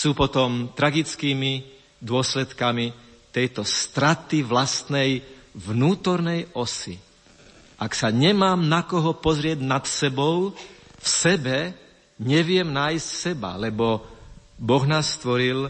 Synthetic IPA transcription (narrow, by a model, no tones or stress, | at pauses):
suːpɔt̪ɔmt̪ɾaɡit͡skiːmi | d̪ʊɔslɛt̪kami | t̪ɛjt̪ɔst̪ɾat̪iʋlast̪nɛjʋnuːt̪ɔɾnɛjɔsḭ | ʔaksaɲɛmaːmnakɔɦɔpɔzɾɪɛɟnat̪sɛbɔʊfsɛbɛ | ɲɛʋɪɛmnaːjstsɛba̰lɛbɔ | bɔɣnaːsːt̪ʋɔɾil